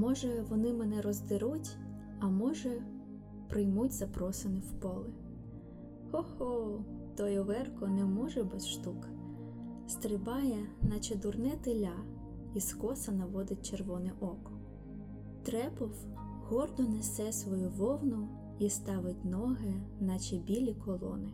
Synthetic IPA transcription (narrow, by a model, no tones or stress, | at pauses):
mɔʒɛʋɔnɪmɛnɛɾɔzd̪ɪɾutʲ | ɐmɔʒɛ | pɾɪjmutʲzɐpɾɔsenɪwpɔlˠɪ | hɔhɔt̪ɔjɔʋɛrkɔnɛmɔʒɛbɛsʃt̪uk | st̪ɾɪbɑjɛnɐt͡ʃɐd̪ʊrnɛt̪ɪlʲɑ | iskɔsɐnɐʋɔd̪ɪt̚ʲt͡ʃerʋɔnɪʔɔkɔ | t̪ɾɛpɔw | hɔrd̪ɔnesɛsʋɔjuʋɔwnʊ | ist̪ɑʋɪtʲnɔɦɪnɐt͡ʃɛbʲilʲikʰɔlˠɔ̰nɪ